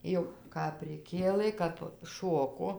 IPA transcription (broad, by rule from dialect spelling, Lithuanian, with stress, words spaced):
ˈjɛʊ kɐp pʲrʲɪˈkʲeːlˠɘ kɐp ˈʃoːkoː